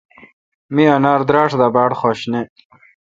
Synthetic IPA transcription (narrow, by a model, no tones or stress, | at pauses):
miɐnaːɾd̪ɾaːʂd̪abaːɽχoːɕne